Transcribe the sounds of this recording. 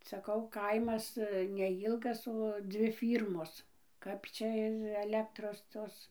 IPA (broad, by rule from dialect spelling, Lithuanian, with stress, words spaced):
sɐˈkɐʊ ˈkɐɪmɐs nʲɛˈjiːlˠɡɐs oː ˈd͡zʲʋʲɪ ˈfʲiːrmoːs ˈkɐp t͡ʃʲɛ ɪr ɐˈlʲæːktroːs ˈtoːs